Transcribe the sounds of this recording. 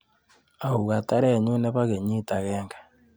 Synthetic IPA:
a˨u˨ɣa˨ta˦ɾe˦˨ɲu˦ne˦βa˦ɣe˨ɲi˦ta˨ɣeːŋɡḁ˨

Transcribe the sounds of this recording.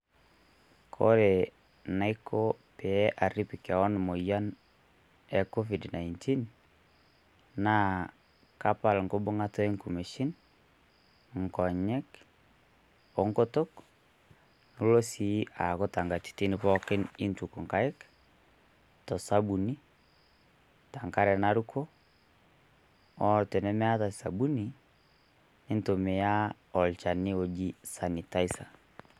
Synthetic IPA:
kʰɔ̰˦ɾe˨ | na˦ɪkʰo˦pɛ˨˦ʔa˨ɾi˦pɪ˨ka˨wɔ˦n˨mo˨ja˦n | ɛ˨ko˦fi˨dna˨inti˦n | na˦ | ka˦pa˨lŋɡo˦bʊ˦ŋa˦tɔ˦e˦ŋku˨me˨ʃɪ˦n | ŋ˨kɔ˨ɲɛ˦k | o˨ŋko˦to˦k | nu˦lo˦si˨˦a˨kɔ˦ta˨ŋɡa˨ti̥˨ti˦nɪ˦pɔ˦kɪ˦nɪ˦ntu˨ko˨ŋka˦ɪ˦k | tɔ˨sa˦bu˨ni˦ | ta˨ŋka˦ɾɛ˨na˦ɾu˦kʰo˦ | ɔ˦te˨nɛ˦mɛ˦a˦ta˨sa̰˨bu˦ni˨ | nɪ˦nto˨me˨ja˦ | ɔ˨lt͡ʃa˨ni˦o˨d͡ʒi˦sa˨ni˨ta˦i˦sa̰˨

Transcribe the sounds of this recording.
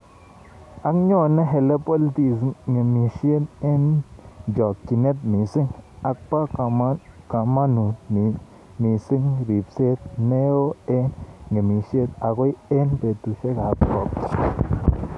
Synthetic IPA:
a˦kɲo˦ne˦ɦe˧le˦pe˦ld̪i˧sŋe˨mi˧ʃe˦ne˦nd͡ʒo˨ki˨ne˦t̪mi˨si˦ŋa˧k̚pa˦ka˨˦ka˨ma˦nu˨i˨ | ni˨si˦ŋɾi˨bse˦d̪̚ne˦o˦e˦nŋe˨mi˧ʃje˦d̪a˨ɡʷe˦je˦nbe˨t̪u˨ʃe˦ɡa˨p̚ko˨kt̪

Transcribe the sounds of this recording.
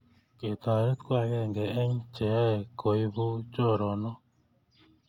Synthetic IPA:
ke˨t̪a˨ɾe˦t̪kwa˦˨ɡɛ˦˨ŋɡɛ˨ɛ˦ɲ˦t͡ʃɛ˨˦ɛ˨ko˨i˦bo˦d͡ʒo˦˨ɾɔ˨nɔ˦

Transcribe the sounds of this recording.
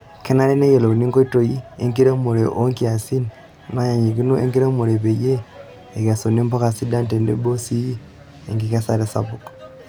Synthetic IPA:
ke˦na˦le˦ne˦je˨lo˨u˨ni˦ŋko˦i˦to˨ji˦e˦ŋki˦ɾe˦mu˨ɾe˨ʔo˦ŋkia˨si˦n | na˦ja˨ɲi˨ɣi˦no˦ḛ˦ŋki˦ɾe˦mu˨ɾe˨βe˨jeː˦˨ | ɣa˨so˨ni˦mbo˦ka˨si˦da˦nte˨nde˦bo˦si˦ | ḛ˨ŋɡi˦ɣa˦sa˦ɾe˦sa̰˨βu˨k

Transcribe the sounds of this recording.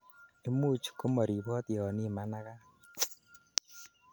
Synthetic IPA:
e˦mu˦t͡ʃu̥˨ko˦mo˨ɾi˨βɔ˦tjɔ˨ni˦ma˦na˦ɣa˦

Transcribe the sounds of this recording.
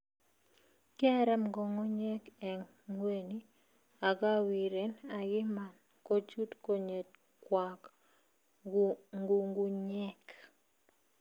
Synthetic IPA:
ka˦ɾɛ˦mɡɔ˨ŋɔ˦ɲɛ˦kɛ˨ | ŋwe˦˨ni˦ | a˨ɡa˦wi˨ɾe˨na˨ɡɪ˦ma˨n | ko˦t͡ʃu˦tko˦ɲe˨t̚ | kwa˨k | ŋɡu˨ŋɡu˦ɲɛ˦k

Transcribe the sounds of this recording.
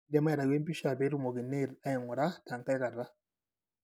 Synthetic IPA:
dɛ˦ma˦ɛ˨ɾa˨we˦mpi˦ʃa˨be˨˦ɾu˦mo˨ɡi˨ne˦˨ɾa˦jɛ˨ŋʊ˨ɾa˦ta˨ŋka˦jka˨ɾːa˦

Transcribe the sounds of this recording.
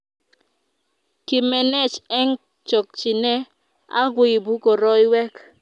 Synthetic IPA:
kɪ˨mɛ˨nɛ˦t͡ʃɛ˦ŋ | t͡ʃɔ˨k̚t͡ʃɪ˨nɛ˦ | a̰˦ɡwɪ˨bu˦ko˨ɾɔ˦jwɛ˦k

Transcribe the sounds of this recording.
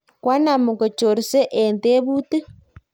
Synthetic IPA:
kwa˦na˨mu˨ko˨t͡ʃo˨ɾi˨se˦ʔe˨nde˦βu˦ti˦

